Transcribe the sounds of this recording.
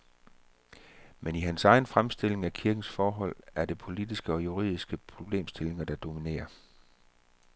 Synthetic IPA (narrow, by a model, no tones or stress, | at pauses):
meniɦænsɑ̈ɪn̩fʁamsd̥e̝le̝ŋækʰiɐɡ̥n̩sfɒːɦɒ̽l̰æɐd̥e̝pʰo̝lid̥isɡ̥əɒ̽juʁḭð̰ˠisɡ̥əpʰʁo̝b̥le̝̰ːmsd̥e̝le̝ŋɐd̥ɑ̈d̥o̝mine̝̰ːɐ